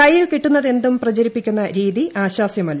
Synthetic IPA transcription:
ɐjːilkiʈːunːɐðe̞nd̪umprɐd͡ʑɐɾipːikʲːunːɐɾiːðiaːɕwaːsjɐmɐl

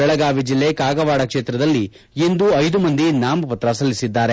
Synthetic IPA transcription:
ɛɭɐɡaːʋid͡ʒilːekaːɡɐʋaːɽɐkʂeːt̪ɾɐd̪ɐlːi | end̪uɐjd̪umɐnd̪inaːmɐpɐt̪ɾɐsɐlːisid̪ːaːɾe

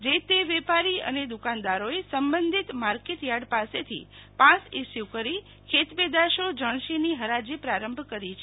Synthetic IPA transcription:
d͡ʒet̪eʋepaɾiə̰ned̪ukand̪aɾoesəmbənd̪ʱit̪maɾkeʈjaɽpaset̪ʰḭpãsisjukəɾi | kʰet̪ped̪aʃod͡ʒəɳ̃ʃiniɦəɾad͡ʒipɾaɾəmbʱkəɾit͡ʃʰe

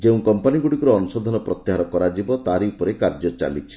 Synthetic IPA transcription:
d͡ʒeũkɔmpaniɡuɽikɔɾɔɔnusɔd̪ʱɔnɔpɾɔt̪jiɦaɾɔkɔɾad͡ʒibɔt̪aɾiupɔɾekaɾd͡ʒɔt͡ʃa̰lit͡ʃʰi̥

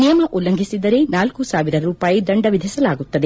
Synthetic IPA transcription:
nijɐmɐʔulːɐŋɡʱisid̪ɐɾe̞naːlkusaːʋiɾɐɾuːpaːjid̪ɐɳɖɐʋid̪ʱisɐlaːɡut̪ːɐd̪e

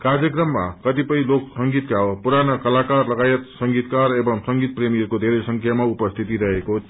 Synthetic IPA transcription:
karjʌkrʌmːa̰kʌt̪ipʌj̃loksʌŋɡit̪kawopuɾanʌkʌlakarlʌɡajʌt̪sʌŋɡit̪karebʌŋsʌŋɡit̪̚premijʌrkod̪ʱeɾesʌŋkʰjamaupʌst̪ʰit̪iɾʌɦeko

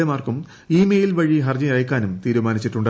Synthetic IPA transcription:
emaːrkum | iːmejilʋɐɻiɦɐrd͡ʑɐjɐjɐkːaːnumt̪iːɾumaːnit͡ɕːiʈːuɳɖ

